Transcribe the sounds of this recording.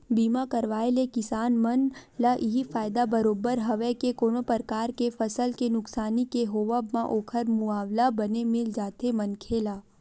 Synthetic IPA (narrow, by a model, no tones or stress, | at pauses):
biːmakɐɾʋaːelekɪsaːnmɐnlaʔɪɦifaːɪd̪abɐɾoːbəɾɦɐʋekekoːnopəɾkaːɾkefɐsəlkenʊksaːnikeɦoːʋəbmãʔoːkʰəɾmʊaːʋlabɐnemɪld͡ʒaːt̪emɐnkʰeːlaː